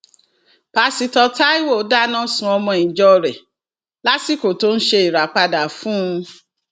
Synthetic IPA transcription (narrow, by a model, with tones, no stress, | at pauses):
pa˧si˨˦tɔ˧ta˦i˦wo˦˨o˨˦da˦nã˦sũ˧˦ɔ˧mɔ̃˧˨ĩ˨d͡ʒɔ˧ɾɛ˨ | la˦ti˦ko˨to˦n̩˦ʃe˧i˨ɾa˨k͡pa˧da˨fũ˦˧